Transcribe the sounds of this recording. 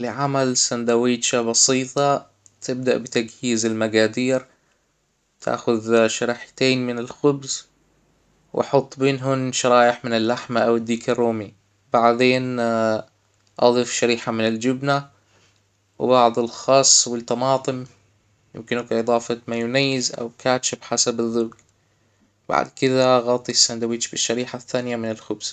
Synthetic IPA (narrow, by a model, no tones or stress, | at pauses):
lɪʕamalsand̪awiːt͡ʃabɑsiːt̪ˤɑ | t̪ʰɪb̚d̪aʔbɪt̪aɡhiːzɪlmaɡaːd̪iːɾ | t̪ʰa̰ːxʊðʃaɾiːħḁt̪eːnmɪnɪlxʊbz | wʔɑ̰ħʊt̪ˤːbeːnɦʊnʃɑɾˤɑːjɪħmɪnɪlːaħmaʔawɪd̪ːiːkɑɾuːmi | b̥aʕd̪eːn | ʔɑ̰ðˤiːfʃaɾiːħamɪnɪld͡ʒɪbna | wbɑʕd̪ˤɨlxɑːsˤːwɪlt̪ːɑmɑːt̪ˤɨm | jɪ̰mkɪnʊkʔɨðˤɑːfɑmajʊnajːɪzʔa̰wkaːt͡ʃɪbħasabɨðːʊk | ba̰ʕ̰d̪kɪðaɣɑːt̪ˤːisːand̪awiːt͡ʃbɪʃːaɾiːħaθːaːnɪjamɪnɪlxʊbz̥